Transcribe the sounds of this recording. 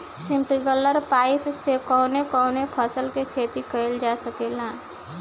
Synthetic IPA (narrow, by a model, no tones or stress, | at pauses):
sɪ̃mpiɡələɾpaːɪpsekɔːnekɔːnepʰəsəlkekʰeːt̪ikəɪld͡ʒasəkelãː